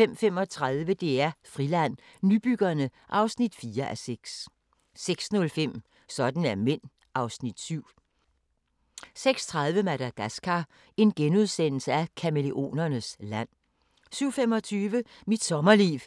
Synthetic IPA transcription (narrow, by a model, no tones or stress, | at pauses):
fem̰fem̰ɒ̽t͡sʰʁaðˠʋəd̥e̝æɐfʁilæn̰ | nyb̥yɡ̥ɐnəʔɑ̈ʊsnid̥fiːɐʔæseɡ̥sː | eɡ̥snɔ̽lfem̰ | sɒ̽d̥n̩æɐmen̰ | ɑ̈ʊsnid̥syʊ̰ | seɡ̥st͡sʰʁaðˠʋəmæɾ̥æɡ̥æsɡ̥ʰɑ | e̝nɡ̥enuð̞ˠsen̰l̩səækʰæme̝le̝ʔo̝̰ːnɐnəslæn̰ | syʊ̰fem̰ɒ̽t͡sʰyːʋəmid̥sɒ̽mɐlḭːʋ